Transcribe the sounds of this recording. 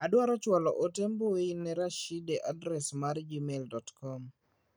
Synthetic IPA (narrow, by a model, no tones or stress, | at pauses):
adwaɾɔt͡ʃwalɔ̰ʔotemboweinɛɾaʃideʔadɾɛsmaɾd͡ʒimeldɔtkɔm